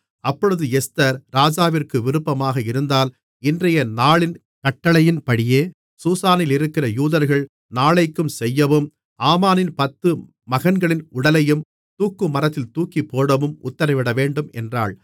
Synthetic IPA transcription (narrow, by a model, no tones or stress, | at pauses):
ɐpːɔɻɯðɯɛst̪ɐɾɾaːd͡ʒaːʋɪrkɯʋɪɾɯpːɐmaːɣɐɪɾɯnd̪aːl | ɪndrɐjɐnaːɭɪn | kɐʈːɐɭɐjɪnpɐɽɪjeː | suːsaːnɪlɪɾɯkːɪrɐjuːðɐɾɣɐɭ | naːɭɐɪkːɯmsɛjːɐʋɯm | aːmaːnɪnpɐt̪ːɯ | mɐɣɐnɡɐɭɪnʊɽɐlɐjɯm | t̪uːkːɯmɐɾɐt̪ːɪlt̪uːkipːoːɽɐʋɯmʊ̰t̪ːɐɾɐɪʋɪɽɐʋeːɳɖɯmɛ̰ndra̰ːɭ